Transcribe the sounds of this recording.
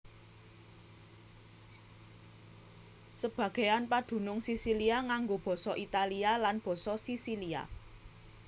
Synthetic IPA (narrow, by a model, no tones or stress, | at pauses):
səb̥ä̤ɡ̥e̤janpaɖ̪̥ṳnʊŋsisiliaŋaŋɡob̥ɔ̤sɔʔit̪alialanb̥ɔ̤sɔsisilia̰